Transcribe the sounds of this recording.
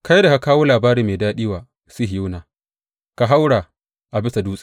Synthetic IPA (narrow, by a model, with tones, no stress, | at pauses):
ka˦jda˨ka˨kaː˦woː˦laː˨baː˦ɾiː˨meː˨daː˦ɗiː˦waː˨ | si˦ɦju˦naː˨ | ka˨ɦa˦wɽaː˨ | ʔa˨bɪ˦sa˨duː˦sʼi̥˦˨